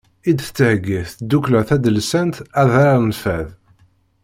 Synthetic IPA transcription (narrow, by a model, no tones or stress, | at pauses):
id̪θt͡sːəhɡiθd̪ːukləʁθæd̪əlsænt̪æðɑɾnfæð